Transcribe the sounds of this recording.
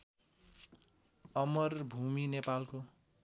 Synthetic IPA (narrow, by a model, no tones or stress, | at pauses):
ʌmʌrbʱuminepalko